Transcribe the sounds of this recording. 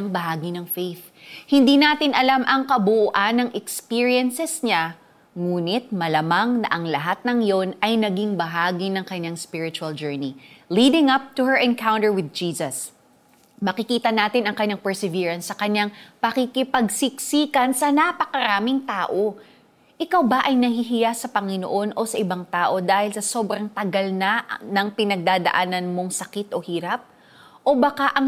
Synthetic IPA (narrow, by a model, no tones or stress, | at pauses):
ɐŋbɐɦaːɡinɐŋfejθ | hɪnd̪inaːt̪ɪnʔɐlamʔɐŋkɐbʊʔʔanɐŋʔɛkspiɹiɛnsɛsɲa | ŋuːnɪt̪̚mɐlɐmaŋnɐ̰ʔɐŋlɐɦat̪̚nɐŋjonɐjnɐɡiŋbɐɦaːɡinɐŋkɐɲaŋspɪɹɪt͡ʃʊɐld͡ʒɛɹniliːd̪ɪŋɐp̚t̪uhɛɹʔɛ̃nkawnt̪ɛɹwɪð̚d͡ʒiːsɐs | mɐkɪkiːt̪ɐnaːt̪ɪnɐŋkɐɲːaŋpɛɹsɛviːɹɐnsːɐkɐɲaŋpɐkɪkɪpɐɡ̚sɪk̚siːkɐnsɐnapɐkɐɾaːmɪŋt̪aːʔo̞ | ʔɪkawbɐʔɐjnɐhiɦɪjasɐpɐŋɪno̰ʔo̞nʔo̞sɐʔɪbaŋt̪aːʔo̞d̪aːhɪlsɐso̞ːbɾɐŋt̪ɐɡɐlnanɐŋpɪnɐɡ̚d̪aːd̪ɐ̰ʔaːnɐnmo̞ŋsɐkɪt̪ʔo̞hiːɾɐp̚ | ʔo̞bɐkaʔɐŋ